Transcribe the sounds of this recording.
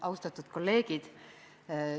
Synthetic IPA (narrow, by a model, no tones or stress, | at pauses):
ɑwst̪ɑt̪ːˑud̪̥ko̞lːe̞ːɡ̥id̪̥